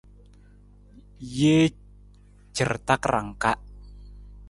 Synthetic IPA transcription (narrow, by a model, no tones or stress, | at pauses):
je | d͡ʒ̥ərt̪akraŋkaʔ